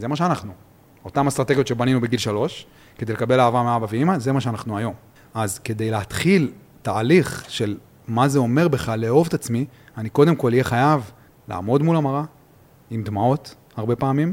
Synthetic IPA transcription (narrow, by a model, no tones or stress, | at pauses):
ze̞maʃ̬eanaχnu | o̞tamast̪ʁat̪e̞ɡijotʃe̞baninube̞ɡilʃalo̞ʃ | ked̪ejlekabe̞laːvameabaveimaze̞maʃeanaχnuajo̞m | azke̞d̪e̞jleɦat̪χil | taːliχʃe̞l | maze̞o̞me̞ʁbeχaleo̞vt̪at͡smi | aniko̞d̪emko̞lijeχajav | la̰ːmo̞dmulamaʁa | imd̪mao̞t | haʁbe̞paːmim